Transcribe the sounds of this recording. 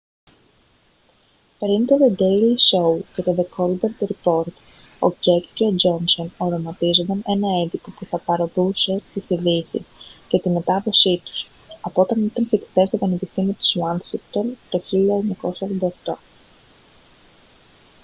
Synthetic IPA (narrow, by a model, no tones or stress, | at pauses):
peɾint̪oðod̪e̞jliso̞wce̞t̪o̞ðekʰo̞lbeɾt̪ɾipo̞ɾt̪ | o̞̰ce̞kceo̞d͡ʒo̞nso̞no̞ɾo̞mɐt̪izod̪ɐne̞nɐend̪ipo̞puθɐpɐɾo̞ðuse̞t̪iθiðisḭsce̞t̪ime̞t̪ɐðo̞sit̪u̥s | ɐpoot̪ɐnit̪ɐnθikt̪e̞st̪opɐnepist̪imit̪i̥zwɐnsikt̪olt̪o̞çiʎɐeɲɐko̞sɐvond̪ɐoxt̪o